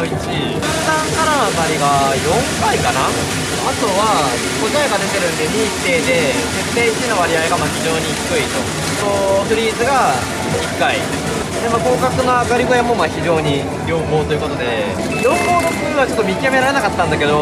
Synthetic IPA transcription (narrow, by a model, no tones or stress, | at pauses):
oit͡ɕi | sãŋkaɾat̪aɾʲiɡajõ̞ŋkaikana | at̪o̞βa | kozaeɡad̪e̞t̪e̞ɾɯ̟nd̪eɲit̪ːe̞ːd̪e̞ | set̪eit͡ɕinoβaɾʲiaeɡamaçiʑo̞ːɲ̟içi̥kɯ̟it̪o | soɸɯ̟ɾʲiːzɨɡa | ikːaid̪eso | d̪emaːko̞ːkakɯ̟noaɡaɾʲiɡo̞jamo̞maçiʑo̞ːɲ̟i | jʲo̞ːbo̞ːt̪o̞jɯ̟kot̪o̞d̪e̞ | jõ̞mbo̞ːd̪okɯβat͡ɕo̞t̪ːmʲikʲiame̞ɾaɾe̞nakat̪ːãnd̪ake̞d̪o̞